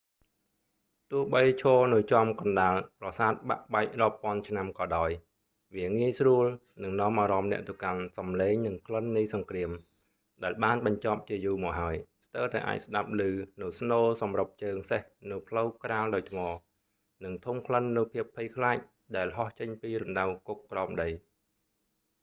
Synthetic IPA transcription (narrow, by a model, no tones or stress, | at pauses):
t̪ʊəhɓəjt͡ɕʰɔːnɨwt͡ɕŏəmkɑnɗaːlprɑsaːt̪̚ɓa̰ʔɓaɛk̚rŏəpːŏənt͡ɕʰnamkɑːɗaɔj | ʋiəŋiəjsruəl | nɨŋnŏəmʔaːɾɑmnɛ̆əʔt̪ɨwkansɑmleːŋnɨŋpʰlənːɨjsɑŋkriəm | ɗaɛlɓaːnɓɑɲt͡ɕɑp̚t͡ɕiəjuːmɔːk̚ɦaəjst̪əwt̪aɛʔa̰ːc̚sɗap̚lɨːnɨwsnoːsɑmrəp̚t͡ɕəːŋsehnɨwpʰləwkraːlɗaɔjt̪ʰmɑː | nɨŋt̪ʰumpʰlənːɨwpʰiəpʰːɨjkʰlaːc̚ | ɗaɛlɦɑht͡ɕəɲpiːɾunɗawkukːrɑɔmɗəj